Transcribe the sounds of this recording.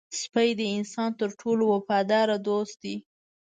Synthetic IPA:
spəjd̪əɪnsɑnt̪əɾʈʰolowapɑd̪ɑɾad̪ost̪̚d̪i

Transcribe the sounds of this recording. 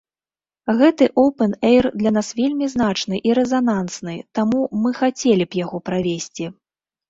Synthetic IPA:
ɣɛt̪ɨʔowpɛnɛjrd̪lʲanasvʲelʲmʲizn̪at͡ʂnɨʔiɾɛzanansnɨt̪amumɨxat͡sʲelʲipjaɣɔpɾavʲesʲt͡sʲi

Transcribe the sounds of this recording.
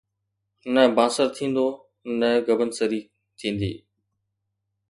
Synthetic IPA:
nɛbãːsəɾt̪ʰĩːnd̪oː | nɛ̃ɡəbənsəɾiː | t̪ʰĩːn̆d̪ḭː

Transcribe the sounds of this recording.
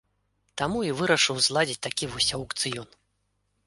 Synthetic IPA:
t̪amuivɨɾɐʂɨwzlˠad͡zʲit͡sʲt̪akʲivɔsʲɐwkt̪sɨjɔn

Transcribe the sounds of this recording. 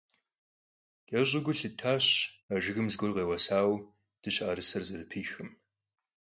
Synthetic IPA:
j̥ɐʑʼɪɡʷʊɬɨtʰaːɕaʒɨɣɨmzɡʷʊrʁeːwɐsaːw | d̥ɨɕaːɾɨsɐrzɐɾɨpʰiːxɨm

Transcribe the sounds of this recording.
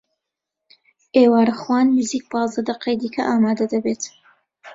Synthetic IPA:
ʔeːwaːɾɐχwɑːnmɨziːk̚bɑːzɐd̪ɐqejd̪iːkʰɐʔaːmaːd̪ɐd̪ɐbeːt̪

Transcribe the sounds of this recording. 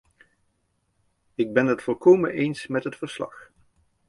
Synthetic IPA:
ɪɡ̚bɛnɦətfɔlˠkowmənʔejnsmɛtɦətfəɹslɑ̰χ

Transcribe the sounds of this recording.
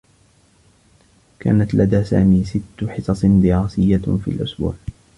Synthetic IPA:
ka̰ːnat̪lʔad̪aːsa̰ːmiːsɪt̪ːʊħɪsɑsˤd̪ɪɾaːsɪjːafḭːlʔʊsbṵːʕ

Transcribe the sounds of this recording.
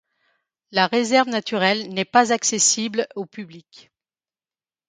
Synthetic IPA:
laʁezɛʁvnat̪yʁɛlnɛpazaksesiblopyblik

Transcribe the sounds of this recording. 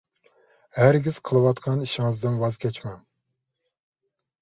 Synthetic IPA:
hæɾɡʲiz̥qʰəlˠɨwɑt̪qʰɑniʃɪŋɨzd̪ɨnwɑzkʲʰɛt͡ʃmɛm

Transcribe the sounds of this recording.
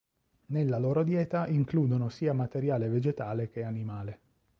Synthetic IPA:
nelːaloːɾod̪jɛːt̪aʔiŋkluːd̪onosiːamat̪eɾjaːleved͡ʒet̪aːlek̟eanimaːle

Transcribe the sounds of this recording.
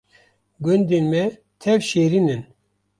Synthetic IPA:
ɡʊnd̪enmɛ | t̪ʰɛvʃeːɾinɨn

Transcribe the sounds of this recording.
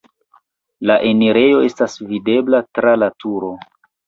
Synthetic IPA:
laʔe̞niɾe̞jo̞e̞stasvide̞blatɾalatuɾo̞

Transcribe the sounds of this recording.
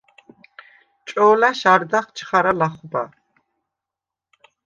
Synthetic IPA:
t͡ʃʼɔːlaʃaɾd̪aχt͡ʃʰχaɾalaχba̰

